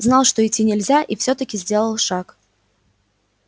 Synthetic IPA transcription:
znɑlˠʂt̪o̞ɪtʲːinʲɪlʲzʲaʔifsʲot̪əkʲɪzʲdʲe̞lˠəlˠʂak

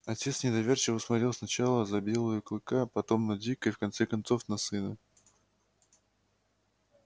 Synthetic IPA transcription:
ɐtʲe̞t̪snʲɪd̪ɐvʲe̞rt͡ɕɪvəsmɐt̪ɾʲilˠsnɐt͡ɕalˠəzɐbʲe̞lˠəjʊklˠɨkapɐt̪o̞mnɐdʲikəjfkɐnt̪sɛkɐnt̪so̞fnɐsɨnə

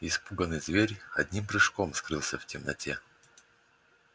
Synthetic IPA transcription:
ɪspuɡənɨjzvʲeɾʲɐdʲnʲimpɾɨʂkomskɾɨlˠsʲəftʲɪmnɐ̰tʲʰe

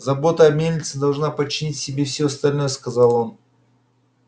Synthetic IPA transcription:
zɐbo̞t̪əɐmʲelʲnʲɪt̪sɨd̪ɐlˠʐnapət͡ɕːɪnʲitʲsʲɪbʲefsʲoɐst̪ɐlʲno̞jəskɐzalˠo̞n

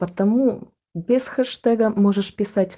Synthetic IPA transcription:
pət̪ɐmu | bʲɪsxɛʂt̪ɛɡəmoʐɨʂpʲɪsatʲ

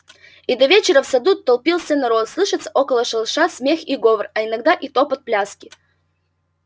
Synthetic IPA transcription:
id̪ɐvʲet͡ɕɪɾəfsɐd̪ut̪ːɐlˠpʲilˠsʲənɐɾot̪slˠɨʂɨt̪səʔokəlˠəʂəlˠʂasʲmʲexiɡovərɐɪnɐɡd̪aʔit̪opət̪̚plʲaskʲɪ

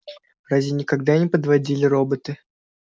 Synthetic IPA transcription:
razʲvʲɪnʲɪkɐɡd̪anʲɪpəd̪vɐdʲilʲɪɾo̞bət̪ɨ

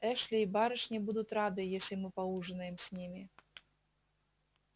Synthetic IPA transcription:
ɛʂlʲɪːbaɾɨʂnʲɪbud̪ʊt̪rad̪ɨjesʲlʲɪmɨpɐuʐɨnəjɪmsʲnʲimʲɪ

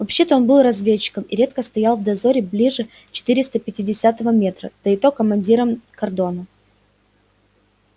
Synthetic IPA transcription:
vɐpɕːe̞t̪əo̞nbɨlˠrɐzvʲet͡ɕːɪ̥kəmɪɾʲe̞t̪kəst̪ɐjalˠvd̪ɐzo̞ɾʲɪblʲiʐɨ | t͡ɕɪ̥t̪ɨɾʲɪst̪əpʲɪtʲɪdʲɪsʲat̪əvəmʲe̞t̪ɾəd̪̥əɪt̪o̞kəmɐnʲdʲiɾəmkɐrd̪o̞nə

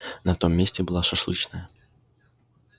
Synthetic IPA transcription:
nɐt̪o̞mʲːesʲtʲɪbɨlˠaʂɐʂlˠɨt͡ʃnəjə

